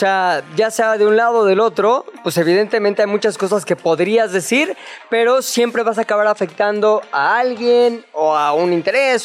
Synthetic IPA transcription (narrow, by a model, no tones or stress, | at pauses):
oseaʝaseaðe̞unlað̞o̞ðe̞lo̞t̪ɾo̞pwese̞β̞iðe̞nt̪e̞mẽnt̪eajmut͡ʃasko̞s̬aske̞po̞ðɾiazðe̞siɾpe̞ɾo̞sje̞mpɾe̞βas̬aːkaβaɾafe̞k̚t̪and̪o̞aalɣje̞noaunint̪e̞ɾe̞s